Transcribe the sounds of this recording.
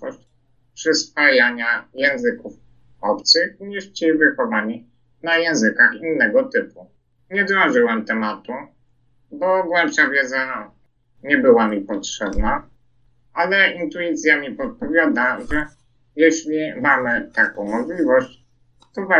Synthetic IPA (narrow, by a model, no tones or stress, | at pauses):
ɔɕt͡ɕ | pʂɘspajaɲajɛ̃w̃zɘkuf | ɔpt̪sɘxɲiʂt͡ɕivɘxɔvaɲi | najɛ̃w̃zɘkaxinːɛɡɔt̪ɘpu | ɲɛd̪ɾɔ̃ʐɘwamt̪ɛmat̪u | bɔɡwalʂavʲjɛd̪za | ɲɛbɘwamʲipɔtʂɛbna | alɛint̪uit̪sʲjamʲipɔt̪̚pɔvʲjad̪aʐɛ | jɛɕlʲimamɘt̪akɔ̃w̃mɔʐlʲivɔɕt͡ɕ | t̪ɔva